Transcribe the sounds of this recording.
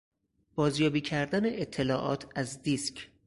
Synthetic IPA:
b̥ɒːzjɒːbiːcʰæɾd̪æneʔet̪ʰːe̞lɒːʔɒ̰ːt̪ʰæzd̪iːscʰ

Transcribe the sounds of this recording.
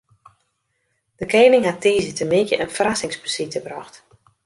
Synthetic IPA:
d̥əkeːnɪŋɦatiːzətəmɪkjə̰ʔənfərasɪŋspəsitəbrɔxt

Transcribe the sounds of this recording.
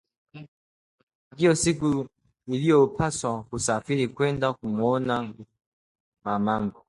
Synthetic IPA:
ɡiɔsiku | ilijɔpʰaswakusafiɾikwɛndakumɔna | mamaŋɡɔ

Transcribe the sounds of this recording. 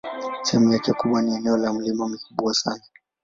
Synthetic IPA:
tʰɛmujakɛkuɓwaniɛnɛɔlam̩limamikuɓwasana

